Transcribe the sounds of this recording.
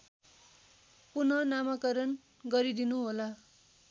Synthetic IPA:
punʌnamakʌɾʌn | ɡʌɾid̪inuɦola

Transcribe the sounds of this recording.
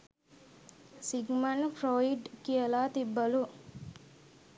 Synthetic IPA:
siɡmanpɾoːiɖkijəlaːt̪ibːɐlu

